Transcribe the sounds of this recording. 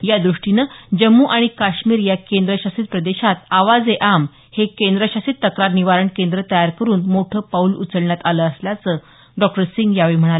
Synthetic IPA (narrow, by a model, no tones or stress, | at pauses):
jad̪ɾuʂʈinəd͡ʑəmːuːʔaɽ̃ikaɕmiːɾjakend̪ɾəɕasit̪̚pɾəd̪eɕat̪aʋad͡zeʔam | hekend̪ɾəɕasit̪ːəkɾaɾniʋaɾəɳkend̪ɾət̪əjaɾkəɾuːnmoʈʰəːpaulṵt͡səɭɳjat̪aləːsljat͡sə | ɖɔk̚ʈəɾsiŋɡjaʋiːm̤əɽ̃alə